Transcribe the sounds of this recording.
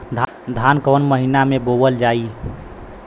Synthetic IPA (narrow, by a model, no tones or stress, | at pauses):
d̪ʱ | d̪ʱankənməɦinamebobəld͡ʒai